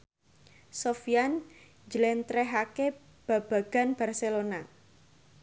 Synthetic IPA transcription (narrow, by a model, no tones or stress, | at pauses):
sofijan | d͡ʒəlɛnt̪ɾɛɦake | b̥a̤b̥a̤ɡ̥a̤nb̥a̤rselona